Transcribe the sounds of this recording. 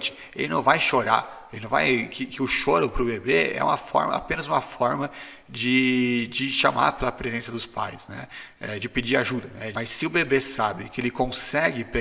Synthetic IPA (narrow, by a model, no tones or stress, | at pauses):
t͡ʃɪ̥ | elɪnɐ̃w̃vajʃoɾa̰ | elɪnɐ̃va̰jkɪkɪʊʃoɾʊpɾʊbebeɛ̰ṵ̃mɐ̰fɔ̰ɾmɐ̰a̰pẽnɐzũmɐfɔɾmɐ | d͡ʒɪd͡ʒɪʃama̰ɾpelɐpɾezẽsɐd̪ʊspajsnɛ̰ | ɛd͡ʒɪpɪd͡ʒiɾaʒud̪ɐnɛmɐjsːɪʊbebesabɪkɪelɪkõsɛɡɪpe